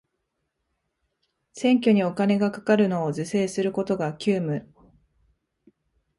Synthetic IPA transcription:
sẽ̞ŋk̬ʲo̞ɲ̟io̞kane̞ɡakḁkaɾɯ̟no̞ːzɨse̞ːsɨɾɯ̟ko̞t̪o̞ɡakʲɨːmɯ̟

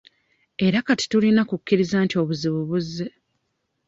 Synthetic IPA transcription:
e̞ɾakati̥tulinakukːiɾizaːntio̞ːβuziβuβuzːe̞

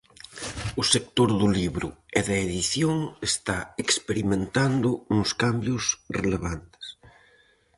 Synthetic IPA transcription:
ʊsek̚t̪oɾðʊliβɾʊ̰eðaeðiθjoŋest̪aekspeɾimẽnt̪and̪ʊnʊskambjʊsreleβ̞ant̪e̥s

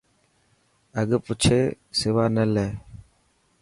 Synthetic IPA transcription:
əɠpʊt͡ʃʰeː | sɪʋaːnəleː

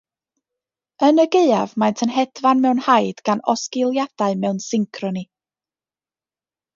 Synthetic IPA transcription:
ənəɡeɨavmajntʰənɦɛd̥vanmɛwnhajd̥ɡ̥anɔskɪlˠjad̥aɨmɛwnsɪŋkʰrɔni

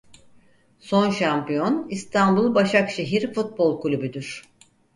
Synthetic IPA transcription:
so̞nʃampijo̞nist̪ʰanbulˠbaʃakʃe̞ɦiɾfut̪̚bo̞lˠkulʲybyd̪yɾ̝̥

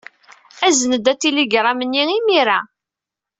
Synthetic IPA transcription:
æzənəd̪æt͡s̪ːiliɡɾˤɑmənːiimiɾæ

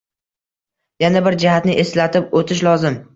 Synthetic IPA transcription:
janabɪɾd͡ʒahat̪nɪʔeslat̪ʰɪp̚ot̪ʰɪʃlɒzɪm

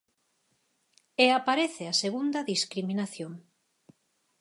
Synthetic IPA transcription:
eapaɾeθeaseɣund̪ɐðiskɾiminaθjoŋ

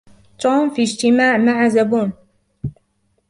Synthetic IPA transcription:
t̪ˤoːnfid͡ʒt̪ɪmaːʕmaʕazabuːn

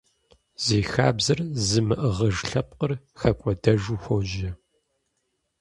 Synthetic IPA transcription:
z̥eːxaːbzɐrzɨmɨʔəʁəʒɬɐp̚qər | xɐkʷʼɔdɐʒuːxʷɔwʒɐ

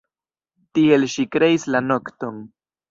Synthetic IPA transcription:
tie̞lʃikɾe̞islano̞kto̞n

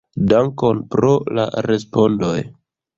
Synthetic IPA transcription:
daŋko̞npɾo̞la̰ɾe̞spo̞ndo̞j

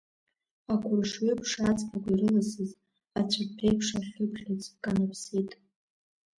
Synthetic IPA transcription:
akʷʰʼʊrʂɥʏpʰʂat͡sʼpʰakʷairɨlasɨz | at͡ɕʷʰarpʰejpʰʂaχʲʊpʰχʲat͡sʰʼkʼanapʰsitʼ

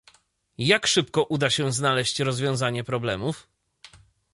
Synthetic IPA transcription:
jakʂɘpkɔʔud̪aɕɛznalɛɕt͡ɕɾɔzvʲjɔ̃w̃zaɲɛpɾɔblɛmuf

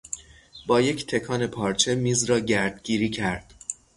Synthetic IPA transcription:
bɒːje̞cʰt̪ʰe̞kʰɒːne̞pʰɒːɾt͡ʃʰe̞miːzɾɒːɟæɾd̪ɡiːɾiːcʰæɾd̪̥

